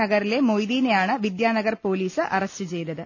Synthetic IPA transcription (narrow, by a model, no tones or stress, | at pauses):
ɐɣɐɾile̞mo̞jðiːnejaːɳɨʋid̪jaːnɐɣɐrpo̞ːliːsɨʔɐrɐst͡ɕɨt͡ɕe̞jnɐðɨ